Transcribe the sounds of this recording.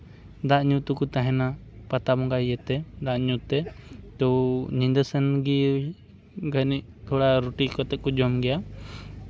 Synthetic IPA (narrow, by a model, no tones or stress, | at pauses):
d̪aʔɲut̪ukut̪aɦɛ̃napat̪abɔŋɡaijɛt̪ɛd̪aʔɲut̪ɛt̪ɔnind̪əsənɡi | ɡʱəniʔ̚ | t̪ʰɔɽaɾuʈikɔt̪ɛt̪̚kɔd͡ʒɔmɡɛja